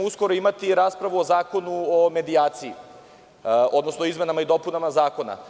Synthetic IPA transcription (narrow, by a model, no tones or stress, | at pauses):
usko̞ɾoimat̪iɾaːspɾaʋuozaːko̞nuome̞d̪iaːt̪siḭ | o̞d̪nosnoizme̞namaid̪o̞punamazaːko̞na̰